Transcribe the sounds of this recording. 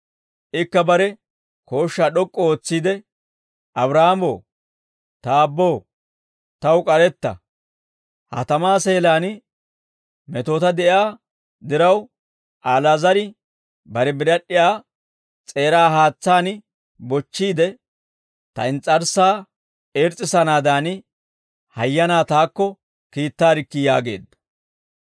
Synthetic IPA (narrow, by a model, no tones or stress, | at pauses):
ʔɪkːɐbɐɾɛ | ko̞ːʃːaːɗɔkʼːɔoːt͡sːiːd̪ɛ | ʔɐbɾaamoː | t̪aːbːoː | t̪ɐwkʼɐɾɛt̪ːɐ̰ | hɐ̰t̪ɐmaːseːlaːn | mɛt̪o̞ːt̪ɐd̪ɛʔjaː | d̪ɪɾɐw | ʔaːlazɐɾɪ | bɐɾɛbɪɾɐɗːɪjaː | t͡sʼe̞ːɾaːɦaːt͡sːaːnɪ | bɔt͡ʃːiːd̪ɛ | t̪ɐ̰ɪnt͡sʼːɐɾsaː | eːɾt͡sʼːɪsɐnaːd̪aːn | hɐjːɐnaːt̪aːkːɔ | kiːt̪ːaːɾɪkːɪjaːɡe̞ːd̪ːɐ̥